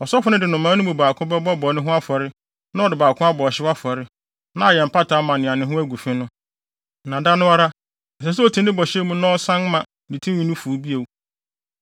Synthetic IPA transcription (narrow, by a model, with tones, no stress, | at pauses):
ɔ˨sɔ˦fʊ˨nɪ̃˦dɪ˨nʊ̃˨mːã˨˦nʊ̃˦bũ˨baː˨kʰʊ̃˦bɛ˦bɔ˦bɔ˨nɪ̃˦ɦʊ̃˦a˦fɔ˨ɾɪ˦ | nã˦ɔ˨dɪ˨baː˨kʰʊ̃˦a˦bɔ˨ɕɪ˦wa˦fɔ˨ɾɪ˦ | nã˦a˨jɛ˨m̩˨pa˦tʰa˨˦mã˨nɪ̃˨ã˨nɪ̃˨ɦʊ̃˦æ˦ɡu˨fɪ̃˦nʊ̃˦˨ | nã˨da˦nʊ̃˦a˦ɾa˦ | ɛ˨sɛ˨s̬u˦o˦˨tʰĩ˨˦n˦ɪ̃˦bɔ˨ɕɛ˦mũ˦nɔ̃ː˦sã˦n˦mã˨ | di˨tʰĩ˦ĩ˦nũ˦fu˨˦bi˦e˨wu˨